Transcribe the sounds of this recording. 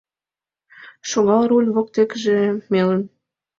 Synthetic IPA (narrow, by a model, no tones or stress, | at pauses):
ʃoɣɑlɾulʲβok̚t̪ekʒĕmelə̆n